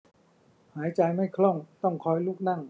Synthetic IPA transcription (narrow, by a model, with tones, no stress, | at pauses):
haː˩˦˥jt͡ɕa˧jma˥˩jkʰlɔ˥˩ŋt̪ɔ˥˩ŋkʰɔː˧˥˩jluː˥˩k̚na˥˩ŋ